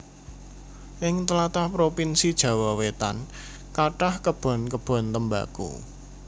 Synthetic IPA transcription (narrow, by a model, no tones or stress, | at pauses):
ʔɪŋt̪əlat̪ahpɾopinsid̥ʒ̥ä̤wawet̪a̰n | kaʈahkəb̥ɔ̤nkəb̥ɔ̤nt̪əmba̰kṵ